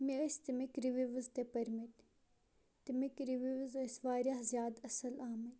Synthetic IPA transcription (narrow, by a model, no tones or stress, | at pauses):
miɐst̪imikɾiʋiʋəzt̪epɐɾmit̪ | t̪imikɾiʋiʋzɐsʋaːɾjaːhzjaːd̪ɐsɐlaːmɐt